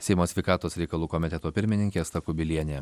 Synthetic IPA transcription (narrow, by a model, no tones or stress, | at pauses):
sʲɛɪmoːsʲʋʲɛɪkɑːt̪oːsɾʲɛɪkɐlˠuːkɔmʲɪt̪ʲɛt̪oːpʲɪɾʲmʲɪnʲɪŋʲkʲeːst̪ɐkʊbʲɪlʲiɛnʲeː